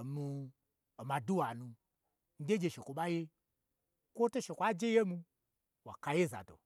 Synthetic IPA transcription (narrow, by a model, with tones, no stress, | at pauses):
mu˧ | o˨ma˨du˦wa˨nũ˧ | n̩˦de˦d͡ʒe˧ʃe˨kʷo˨ɓa˦je˦ | kʷo˦to˦ʃe˨kʷa˦d͡ʒe˦je˦mu˧ | wa̰˨ka˨je˦za̰˨do̰˨